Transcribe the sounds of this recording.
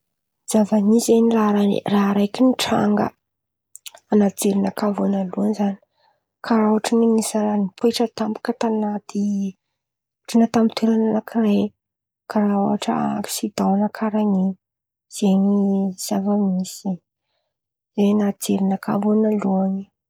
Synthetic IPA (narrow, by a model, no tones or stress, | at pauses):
z̥avanizeniraɾanḭraɦɾajkiniʈ͡ʂa̰ŋɡə̰ | anad͡zeɾinakavonaluənizani̥ | kʰaɾauaʈ͡ʂinimisaɾanipueʈ͡ʂət̪ambḁkət̪anat̪i | ʈ͡ʂanat̪amit̪ʰeɾananakire | kaɾao̰aʈ͡ʂəfi̥sid̪̥awnakʰaɾani | z̥eniz̥avamisi | zenad͡zeɾinakʰa̰vonaluani